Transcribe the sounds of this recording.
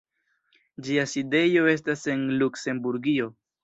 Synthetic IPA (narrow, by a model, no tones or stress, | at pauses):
d͡ʒiaside̞jo̞e̞s̬tase̞nlukse̞mbuɾɡio̞